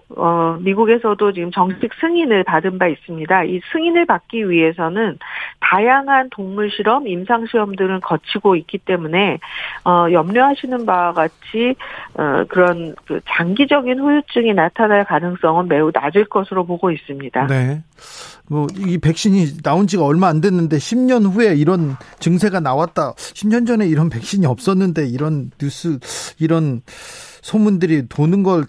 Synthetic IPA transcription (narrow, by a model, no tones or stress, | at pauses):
ʌmiɡuɡe̞sʰʌdot͡ɕiɡɯmt͡ɕʌŋɕʰik̚sʰɯŋinɯɭpadɯnbais͈ɯmɲidaisʰɯŋinɯɭpak̚k͈iɥiɦe̞s̬ʰʌnɯntajaŋɦantoŋmuɭɕʰiɾʌmimsʰaŋɕʰiɾʌmdɯɾɯnkʌt͡ɕʰiɡoik͈it͈e̞mune̞ʌjʌmɲʌɦaɕʰinɯnbawaɡat͡ɕʰiʌ̰kɯɾʌnkɯ̰t͡ɕaŋɡid͡ʑʌɡinɸujut͡ɕ͈ɯŋinatʰanaɭkanɯŋs͈ʌŋɯnme̞una̰d͡ʑɯɭk͈ʌsʰɯɾopoɡois͈ɯmɲidane̞ | mʌipe̞k̚ɕ͈iɲinaond͡ʑiɡaʌɭmaːndenːɯndeɕʰimɲʌnɸue̞iɾʌnt͡ɕɯŋsʰe̞ɡanawat̚t͈aɕʰimɲʌnd͡ʑʌne̞iɾʌnpe̞k̚ɕ͈iɲiʌp̚s͈ʌnːɯnde̞iɾʌnjus͈uiɾʌn | sʰomundɯɾitonɯnɡʌɭ